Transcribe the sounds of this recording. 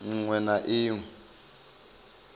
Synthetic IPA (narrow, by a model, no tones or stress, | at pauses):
ŋ̩ŋ͡ǀwɛnaʔiːŋ̩